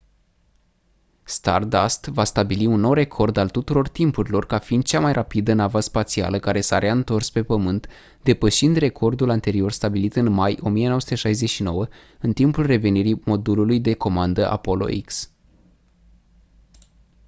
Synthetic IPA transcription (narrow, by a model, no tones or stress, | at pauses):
st̪a̰rd̪ast̪vast̪abiliunːo̞wre̞kʰo̞rd̪alt̪ut̪uɾo̞rt̪impuɾilo̞rkafind̪̚t͡ʃamajrʔapid̪ənavaspat̪sia̰ləkaɾe̞saɾeaɨnt̪o̞rspe̞pəmɨnt̪ | d̪e̞pəʃind̪re̞kʰo̞rd̪ulant̪e̞ɾio̞rst̪abilit̪ɨnmajo̞mijenoəsu̥t̪e̞ʃajzeʃino̞wə | ɨnt̪impulre̞ve̞niɾimo̞d̪ululujd̪e̞ko̞mand̪əʔa̰po̞lo̞̰ʔḭks